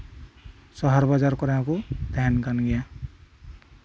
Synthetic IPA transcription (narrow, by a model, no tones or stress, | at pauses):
sɔɦɔɾbad͡ʒaɾkɔɾãkud̪ʱankanɡɛja